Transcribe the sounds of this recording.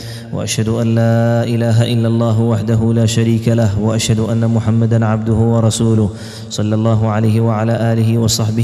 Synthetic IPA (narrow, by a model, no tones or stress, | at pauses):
wa̰ʔaʃhad̪ʊʔanlaːʔɪlaːɦaʔɪlːalˤːɑːɦʊwaħd̪aɦʊlaːʃaɾiːkalahwaʔaʃhad̪ʊʔanːamʊħamːad̪anʕabd̪ʊhʊwɑɾˤɑsuːlʊh | sˤɑlːɑlˤːɑːɦʊʕalajɦɪwaʕalaːʔaːlɪɦɪwɑsˤɑħbɪ